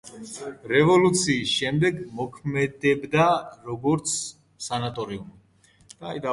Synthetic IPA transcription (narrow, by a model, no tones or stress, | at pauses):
ɾɛvɔlut̪sʰiːsʃɛmd̪ɛɡmɔkʰmɛd̪ɛbd̪aɾɔɡɔɾt̪sʰ | sanat̪ʼɔɾium | d̪̥aːd̪a